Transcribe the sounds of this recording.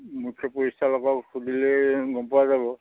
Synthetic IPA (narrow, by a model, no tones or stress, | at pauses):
mukʰɔpuɹisalɔkaksudilɛɡɔmpɔazabɔ